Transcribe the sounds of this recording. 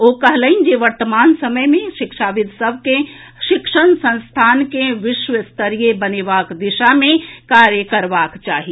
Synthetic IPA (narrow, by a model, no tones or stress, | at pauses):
okəɦləind͡ʒeʋəɾt̪əmaːnsəməjmẽʃɪkʃaʋɪd̪ʱsəbʱke | ʃɪkʃənsə̃nst̪ʰaːnkeʋɪʃʋəst̪əɾijebənebaːkd̪ɪʃamẽkaɾjəkəɾbaːkt͡ʃaːɦi